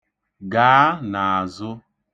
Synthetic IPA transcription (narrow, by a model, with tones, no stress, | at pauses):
ɡaː˨˦na˨a˨zʊ˦